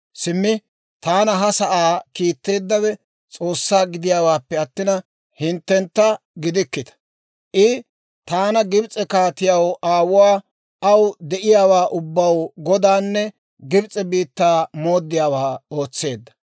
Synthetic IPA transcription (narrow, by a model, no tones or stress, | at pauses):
sɪmːɪ | t̪aːnɐɦɐsɐʔaːkiːt̪ːe̞ːd̪ːɐwɛ | t͡sʼo̞ːsːaːɡɪd̪ɪjaːwaːpːɛɐt̪ːɪnɐ | hɪnt̪ːɛnt̪ːɐ | ɡɪd̪ɪkːɪt̪ɐ̥ | ʔɪ | t̪aːnɐɡɪbt͡sʼɛkaːt̪ɪjɐwaːwʊwaː | ɐwd̪ɛʔɪjaːwaːʔʊbːɐwɡɔd̪aːnːɛ | ɡɪbt͡sʼɛbiːt̪ːaːmo̞ːd̪ːɪjaːwaːo̞ːt͡sːe̞ːd̪ːɐ̥